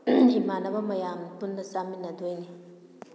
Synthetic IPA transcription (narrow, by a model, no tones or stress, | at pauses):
imanɐbɐmɐjanpundɐsaminɐdojni